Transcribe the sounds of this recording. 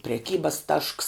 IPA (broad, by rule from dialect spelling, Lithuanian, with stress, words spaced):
pʲrʲɛˈkʲiːbɐs tɐʃks